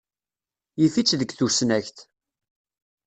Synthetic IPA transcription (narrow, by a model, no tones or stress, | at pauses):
jifit͡sːðəɡθusnæçθ